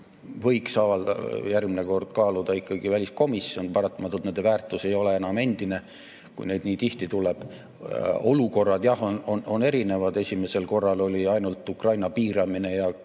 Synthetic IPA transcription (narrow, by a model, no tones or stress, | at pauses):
vɤ̞jksɑːvɑld̪ɑ̰jærɡmineko̞rd̪̥kɑːlud̪ɑikːˑɑɡivælʲisko̞misːio̞npɑɾɑt̪ːˑɑmɑt̪ːˑult̪ne̞nd̪evæːrt̪ˑuse̞jo̞le̞e̞nɑme̞nd̪̥ine̞ | kṵjne̞jd̪niːt̪iht̪it̪uleb̥ | o̞luko̞rːɑd̪̥jɑhononone̞ɾine̞vɑd̪̥e̞sʲime̞se̞lko̞rːɑlo̞lʲiɑjnult̪ːˑukrɑjnɑpiːɾɑmine̞jɑ